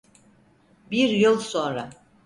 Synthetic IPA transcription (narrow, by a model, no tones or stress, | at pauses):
biɾjɯlˠso̞nɾa